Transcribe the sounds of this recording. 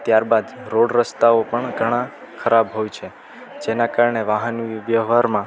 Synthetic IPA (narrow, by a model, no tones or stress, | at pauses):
t̪jaɾbad̪ɾoɽɾəst̪aopəɳɡʱəɽ̃ã | kʰəɾabɦojt͡ʃʰe | d͡ʒenakaɾɳeʋaɦənʋjəɦʋaɾmã